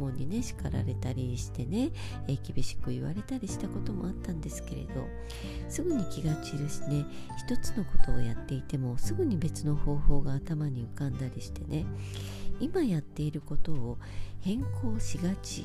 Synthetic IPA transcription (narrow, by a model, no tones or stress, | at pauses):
mõ̞ɲ̟ːine̞ɕi̥kaɾa̰ɾe̞t̪aɾʲiɕi̥t̪e̞ne̞ | ekʲibʲiɕi̥kɯ̟iβa̰ɾe̞t̪aɾʲiɕi̥t̪ako̞t̪o̞mo̞̰at̪ːãnd̪e̞sɨ̥ke̞ɾe̞̰d̪̥o̞̰ | sɨɡɯ̟ɲ̟ikʲiɡat͡ɕiɾɯ̟ɕi̥ne̞çi̥t̪o̞t͡sɨ̥no̞ko̞̥t̪o̞ːjat̪ːe̞it̪e̞mo̞sɨɡɯ̟ɲ̟ibe̞t͡sɨno̞ho̞ːho̞ːɡaːt̪amaɲ̟iɯ̟kãnd̪aɾʲiɕi̥t̪e̞ne̞ | imajat̪ːe̞iɾɯ̟ko̞t̪o̞ːhẽ̞ŋkʰo̞ːɕiɡat͡ɕḭ